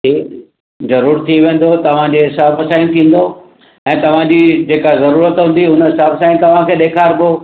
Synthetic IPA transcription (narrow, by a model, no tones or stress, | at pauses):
ʈʰiː | zɐɾuːɾt̪ʰiʋẽːn̆d̪ot̪ɐʋ̤ãd͡ʑeːɦɪsaːbsãːĩnt̪ʰĩːn̆d̪o | ɛ̃ːt̪ɐʋ̤ãɲd͡ʑiːd͡ʑeːkazɐɾuːɾət̪ɦũːn̆d̪iɦʊnəɦɪsaːbsaːĩt̪ɐʋ̤ãkʰeːɗeːkʰaːɾbo